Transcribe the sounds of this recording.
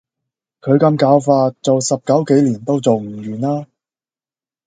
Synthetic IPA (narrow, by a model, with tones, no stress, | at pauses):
kʰɵ˨˧ɥkɐ˧mkaː˨˧˥wfaː˧t̚t͡so˨wsɐ˨p̚kɐ˨˥wke˨˥jliː˨˩nt̪o˥wt͡so˨wm̩˨˩jyː˨˩naː˥